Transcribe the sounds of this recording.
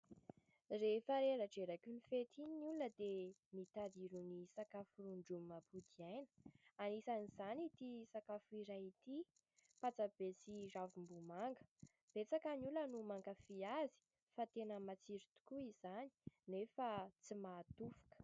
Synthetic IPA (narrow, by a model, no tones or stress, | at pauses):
refəɾeɾaʈ͡ʂeɾakʲunifet̪inuləd̪emit̪aɾiɾunisakafuɾuɳɖ͡ʐumabud̪iajnə̥anisaniz̥anit̪isakafuiɾait̪i | pat͡sab̥esiravumbumaŋɡə̥ | b̥et͡sakanulənumaŋɡafiazi̥ | fat̪enəmat͡siɾut̪u̥kuizani̥nefat͡simaːt̪ufu̥kə̥